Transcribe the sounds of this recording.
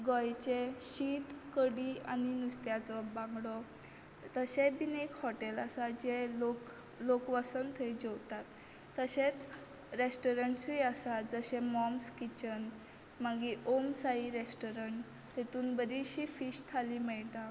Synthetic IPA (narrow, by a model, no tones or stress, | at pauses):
ɡɔjt͡ɕeɕit̪kəɽianinust̪jat͡sɔbãŋɡɽɔ | t̪əɕebinekhɔʈelasad͡ʑeok | lokʋasənt̪ʰəid͡ʑɔwt̪at̪ː | əɕet̪ | ɾesʈɔɾəɳʈsujasad͡zəɕẽmɔmskit͡ɕən | maɡiʔomsaiɾesʈɔɾəɳʈ | t̪et̪uːnbəd̪ʱiɕifiːɕt̪ʰalimɛɭʈa